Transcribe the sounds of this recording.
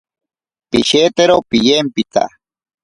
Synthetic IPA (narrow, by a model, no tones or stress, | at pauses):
piʃet̪eɾowpɪjempɪt̪a̰